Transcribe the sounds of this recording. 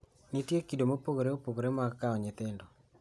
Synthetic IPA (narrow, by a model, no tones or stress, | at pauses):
nitjekidomopokoɾeopoɡoɾemaɡkaɔɲɪt̪ɪndɔ